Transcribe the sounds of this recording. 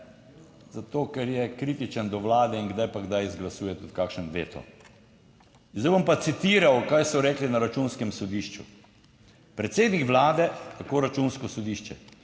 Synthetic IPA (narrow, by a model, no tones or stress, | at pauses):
z̥at̪oːkɛɾjɛkɾit̪it͡ʃənd̪ɔʋlaːd̪ɛiŋɡd̪ajpaɡd̪ajzɡlasuːjɛt̪ut̪kaːkʃnɛmʋeːt̪ʰɔ̰ | nzajbɔmpat̪sit̪iːɾawkajsɔɾɛːklinaɾat͡ʃuːnskɛmsɔd̪iːʃt͡ʃṵ | pɾɛt̪seːd̪nikʋlaːd̪ɛt̪akoːɾat͡ʃunskɔsɔd̪iːʃt͡ʃɛ